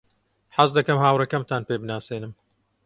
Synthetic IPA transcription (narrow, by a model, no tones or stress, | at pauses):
ħazd̪ɐkɐmhaːwrɐkɐmt̪ʰaːnpeːbɨnaːseːnɨm